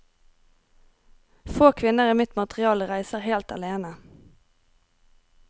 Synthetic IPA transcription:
foːkʰʋɪnəʁiːmɪt̪mɑt̪ʁɪɑːlʁæɪsəʁheːlt̪ɑ̰leːnə

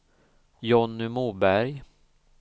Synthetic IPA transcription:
jɔnːʏmuːbæɾj

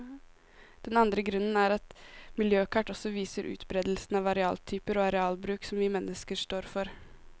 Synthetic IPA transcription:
d̪̥ɛnɑnd̪ɾəɡɾʉnːənæɾɑt̪mɪljøːkʰɑʈːɔsɔʋiːsəɾʔʉ̰ːt̪bɾeːd̪lsn̩ɑʋɑɾɛɑ̰ːlt̪ʰyːpəɾoːɑɾɛɑːlbɾʉːksɔmʋɪmɛnːəskəʂt̪oːɾfɔɾ

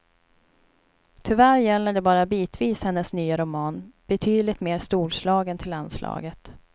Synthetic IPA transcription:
t̪ʰʏvæːɾjɛlːəɖɛbɑːɾabiːt̪ʰviːshɛnːəsnyːaɾʊmɑːnb̥ɛt̪ʰyːd̪lɪt̪meːɾst̪uːlʂlɑːɡənt̪ʰɪlanslɑ̰ːɡət̪

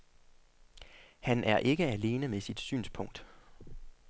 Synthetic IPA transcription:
hænʔæɐʔe̝ɡ̥əæle̝ːnəmesid̥sy̰ːnspʰɔ̽ŋ̰d̥

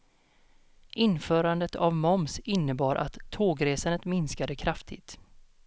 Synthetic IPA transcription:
ʔɪnfœːɾand̪ət̪ʰavmɔmsɪnːəbɑːɾʔa̰t̪ʰːoːɡɾeːsanət̪mɪnskad̪əkʰɾaft̪ʰɪ̰t̪

